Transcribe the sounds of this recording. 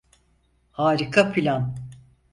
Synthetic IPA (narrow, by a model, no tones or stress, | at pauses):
haːɾikʰapʰilʲan